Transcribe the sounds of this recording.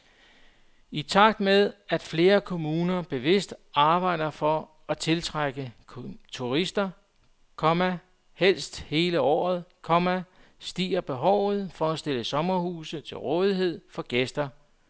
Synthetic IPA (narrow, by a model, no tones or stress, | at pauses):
it͡sʰɑ̈ɡ̥̚d̥með̞ˠæd̥fle̝ːɐkʰo̝muːnɐb̥e̝ʋe̝sd̥ʔɑ̈ːb̥ɑ̈ɪ̰d̥ɐfɒ̽ | æt͡sʰe̝lt͡sʰʁaɡ̥ət͡sʰuʁisd̥ɐ | kʰɒ̽mæ | hel̰sd̥he̝ːləɒ̰ːð̞̩ˠkʰɒ̽mæsd̥ḭːɐb̥e̝ɦɒʊ̰ð̩ˠfɒ̽æsd̥e̝ləsɒ̽mɐhṵːsət͡sʰe̝lʁɔ̽ːð̞ˠiɦe̝ð̞̰ˠfɒ̽ɡ̥esd̥ɐ